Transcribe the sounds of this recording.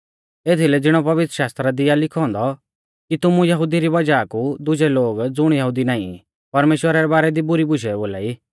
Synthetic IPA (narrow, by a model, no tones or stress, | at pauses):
eːt̪ʰilɛd͡zɪɽ̃ɔpɐʋɪt̪ɾəʃaːst̪ɾad̪ɪjalɪkʰɔ̃ːnd̪ɔ | kit̪ʊmũjɐɦʊd̪iɾibɐd͡ʒaːkud̪ʊd͡ʒɛloːɡd͡zʊɽ̃jɐɦuːd̪inaːḭ̃ | pɐɾmeːʃwəɾaɾɛbaːɾɛd̪ibʊɾibʊʃɛboːlaːiː